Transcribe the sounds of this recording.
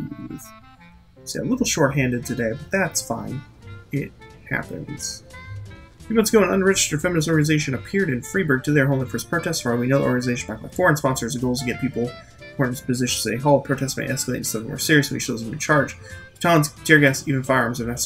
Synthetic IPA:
seəlɪɾl̩ˠʃɔɹt̚ɦæ̃ndɨd̚tʰɨdeɪbʌt̪̚ðætsfã̰ɪ̃n | ɪt̚ | hæ̰pɨ̰̃nz̥ | fjɨmʌ̃nsɡ̥oʊə̃nʌ̰̃ndə˞ɹɛd͡ʒɨ̥stə̥˞fɛmɨnɨs̬ɔɹɡɨnɨzeɪʃɨ̃nɨpʰɪɹɾɨ̃nfɹibə˞ɡ̚tʰɨðə˞ɦõʊ̃nˠifə˞spʰɹ̥oʊtʰɛstsfɑwinoʊðʔɔɹɡɨ̃nɨzeɪʃɨ̃n̩baɪmaɪfɔɹɨ̃nspɑ̃nsə˞zɡoʊlˠz̥tʰɨɡɛt̚pʰipl̩ˠ | əkʰɔ̃ɹ̃ɨz̥pɨzɪʃɨ̃nseɪɦoʊlˠpʰɹ̥oʊtʰɛstsmḛɪʔɛskleɪɾɨ̥sʌ̃ṽmɔ̰ɹsɪɹiɨs̩ḭʃoʊzðə̃mɨ̰̃nt͡ʃʰɑɹd̥d͡ʒ̥ | tʰɑlˠə̃nsd̥ɪɹɡasivɨ̃nfaɪ̃mzə̃ɛs

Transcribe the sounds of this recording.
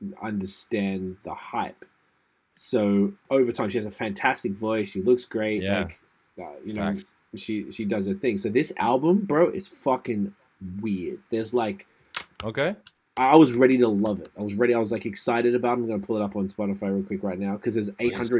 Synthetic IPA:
ʌ̰̃ndə˞stæ̃nðə̰haɪp | soʊoʊvə˞tʰãɪ̃mʃiɨzɨfæ̃ntʰæstɨkvɔɪsʃilʊksɡ̥ɹeɪʔlaɪk | ʌ̰jɨnoʊ | ʃiʃidʌzɨθɪ̃ŋsoʊðɪsæ̰lˠbə̃mbɹoʊʔɨz̥fʌkɨ̃n | wɪɹd̚ðə˞zlaɪk | oʊkeɪ | aɪwʌzɹɛɾiɾəlʌvɪt̚aɪwʌzɹɛɾiaɪwʌzlaɪkɨksaɪɾɨɾɨbaʊtãɪ̃mɡʌ̃nəpʰʊlˠəɾʌpn̩spɑɾɨfaɪɹˠkʰw̥ɪkɹaɪtⁿnaʊkʰʌzðə˞zeɪt̚hʌ̃ndɹɨ

